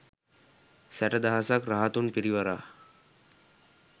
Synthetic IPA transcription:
sæʈəd̪aɦasakɾaɦat̪unpiɾiʋaɾaː

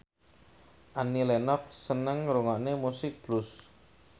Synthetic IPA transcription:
ʔanilɛnɔf̚sənəŋɾuŋɔʔnemusɪk̚b̥lʊs

